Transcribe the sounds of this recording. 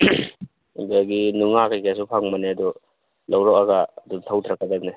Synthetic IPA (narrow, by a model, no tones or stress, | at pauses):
baɡinuŋakajkʰesupʰaŋmaneadu | lawɾɔkaɡaːdumtʰawtʰɾakadak̚ne